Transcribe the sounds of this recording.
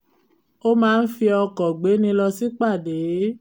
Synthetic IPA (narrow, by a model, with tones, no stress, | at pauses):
o˦mãː˦n̩˦fi˧ɔ˧kɔ˨ɡ͡be˨˦nĩ˧lɔ˧si˦k͡pa˦˨de˨˦